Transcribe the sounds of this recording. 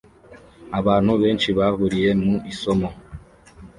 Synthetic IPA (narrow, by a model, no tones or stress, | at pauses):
aβaːnuβent͡ʃiβaβuɾijemuʔisɔmɔ